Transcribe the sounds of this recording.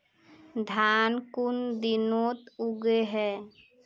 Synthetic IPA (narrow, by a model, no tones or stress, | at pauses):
d̪ʱaːnkund̪inoːt̪uɡeɦɛː